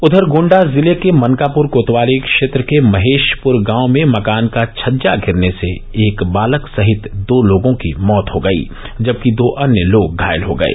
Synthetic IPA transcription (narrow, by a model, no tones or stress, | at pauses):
ʊd̪ʱəɾɡõːɳɖazɪlekemɐ̃ŋkaːpʊɾkoːt̪ʋaːlikʃeːt̪ɾəkemɐɦeːʃpʊɾɡãːʊmẽmɐkaːnkat͡ʃʰɐd͡ʒaɡʱɪɾnese | eːkbaːləksɐɦɪt̪d̪oːloːɡõkimɔːt̪ɦoɡɐḭː | d͡ʒɐb̚kid̪oːʔɐnjəloːɡ̚ɡʱaːjəlɦoɡɐ̰ḛː